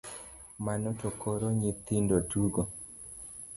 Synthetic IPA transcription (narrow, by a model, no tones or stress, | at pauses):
manotokoɾoɲɪt̪ɪndoduɡo